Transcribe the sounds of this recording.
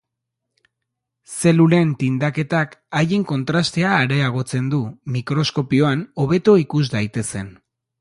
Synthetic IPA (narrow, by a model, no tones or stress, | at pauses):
se̞lule̞nt̪ind̪ake̞t̪akajeŋko̞nt̪ɾast̪e̞aːɾe̞aɣ̞o̞t͡se̞nd̪umikɾo̞sko̞pio̞ano̞βe̞t̪o̞ikuzd̪ajt̪e̞se̞n